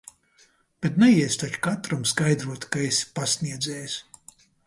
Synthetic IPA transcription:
b̥et̪nɛjiɛst̪at͡ʃu̥kat̪ɾɔmskajd̪ɾuɔt̪kaespasniɛd̪zɛːjs

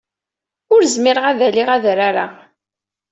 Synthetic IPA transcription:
ʊɾzmɪɾəʁaðæliʁæðɾaɾa

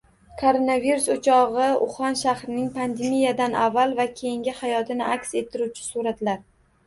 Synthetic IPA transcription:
kʰoɾonaviɾusot͡ʃʰɒʁɨʊ̰χɒnʃahɾɪnɪŋpʰand̪emijad̪anavːalˠvakʲʰe̞jɪŋɡʲɪhajɒt̪ʰɪnɪʔakʲse̞t̪ʰːɪɾuwt͡ʃʰɪ̥suɾat̪laɾ

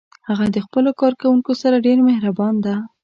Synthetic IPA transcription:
haɣad̪əxpəlokɑɾkawuŋkosaɾaɖeɾmehɾabɑnd̪a

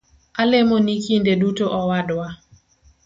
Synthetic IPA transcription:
alemonikindedutoʔɔwadwa

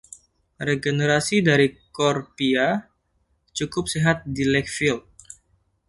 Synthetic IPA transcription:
reɡeneɾasidaɾikɔrpia | t͡ʃukʊp̚seɦat̪̚dilɛk̚filt̪̚

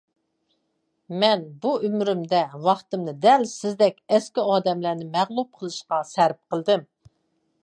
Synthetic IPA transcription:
mɛnbuymɾymd̪ɛwɑχt̪ɨmnɨd̪ɛlsɪzd̪ɛkʲɛskʲiɑːd̪ɛmlænɪmæʁlˠup̚qʰəlˠɨʃqɑsæɾp̚qʰəlˠd̪ɨm

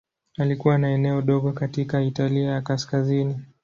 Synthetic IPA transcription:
alikuwanaɛnɛɔɗɔɠɔkatikaitaliajakaskazini

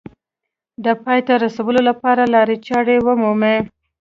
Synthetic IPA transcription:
d̪əpɑjt̪aɾasawəlolapɑɾalɑɾet͡ʃɑɽewəmume

